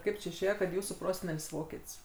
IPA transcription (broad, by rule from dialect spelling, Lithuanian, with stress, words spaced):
ˈkɐɪp t͡ʃʲɪ ɪʃʲˈeːjɛ kɐt ˈjuːsuː ˈproːsʲɛnʲɛlʲsʲ ˈʋoːkʲɛtʲsʲ